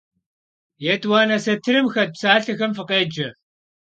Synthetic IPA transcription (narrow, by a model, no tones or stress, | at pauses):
jɛtʼwaːnɐsɐtʰɨɾɨmxɐt̚psaːɬɐxɐmfɨqʼeːd͡ʒɐ